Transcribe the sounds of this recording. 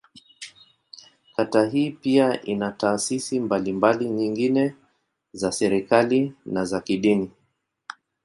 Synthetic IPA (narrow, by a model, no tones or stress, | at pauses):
kataɦiːpiaʔinataːsisimbalimbaliɲiŋɡinɛ | zasɛɾikalinazakiɗini